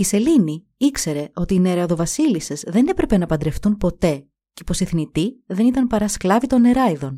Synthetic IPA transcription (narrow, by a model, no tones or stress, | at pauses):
ise̞lini | ikse̞ɾe̞o̞t̪iːne̞ɾɐðo̞vɐsilise̞zðe̞ne̞pɾe̞pe̞nɐpɐnd̪ɾe̞ft̪unpo̞t̪e̞ | cepo̞siθnit̪iðe̞nit̪ɐnpɐɾɐsklɐvit̪o̞ne̞ɾɐiðo̞n